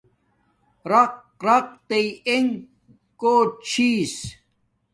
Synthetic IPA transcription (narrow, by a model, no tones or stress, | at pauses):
ɾɐq̚ | ɾɐq̚t̪eieŋ | koːt͡ɕʰiːs